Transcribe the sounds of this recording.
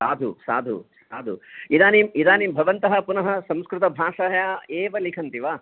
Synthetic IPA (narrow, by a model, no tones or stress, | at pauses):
saːd̪ʱṵsa̰ːd̪ʱṵsaːd̪ʱṵid̪aːnimid̪aːnimbʱɐʋɐnt̪ɐɦɐ̆punɐɦɐ̆sɐ̃mskɾɪt̪ɐbʱaːʂɐɦjaːeːʋɐlikʰɐnt̪iʋaː